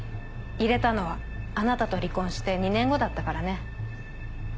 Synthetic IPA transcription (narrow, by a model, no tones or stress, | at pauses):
iɾe̞t̪ano̞βaː | nat̪at̪o̞ɾʲikõɰ̃ɕi̥t̪e̞ɲ̟inẽ̞ŋɡo̞d̪at̪ːakaɾane̞